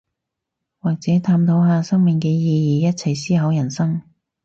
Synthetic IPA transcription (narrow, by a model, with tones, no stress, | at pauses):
waː˨k̚t͡sɛː˨˥t̪ʰaː˧mt̪ʰo˨˥wɦaː˧sɐ˥ŋmɪ˨˩ŋkɛː˧jiː˨˧jiː˨jɐ˥t̚t͡sʰɐ˨˩jsiː˥ɦɐ˨˥wjɐ˨˩nsɐ˥ŋ